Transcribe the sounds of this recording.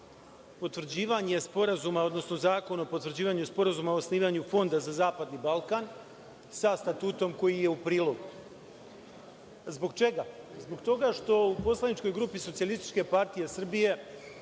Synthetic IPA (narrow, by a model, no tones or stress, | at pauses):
po̞t̪ʋr̩d͡ʑiːʋaɲe̞spo̞ɾazumao̞d̪no̞sno̞zaːko̞no̞pot̪ʋr̩d͡ʑiːʋaɲuspo̞ɾazumao̞sniːʋaɲufo̞nd̪azazaːpad̪nibalˠkan | sast̪at̪uːt̪o̞mko̞jije̞upɾiːlˠo̞ɡu | zbo̞ɡt͡ʃe̞ɡazbo̞ɡt̪o̞ɡaʃt̪o̞upo̞slˠanit͡ʃko̞jɡɾuːpisot̪sialist̪i̥t͡ʃke̞paɾt̪ije̞sr̩bije̞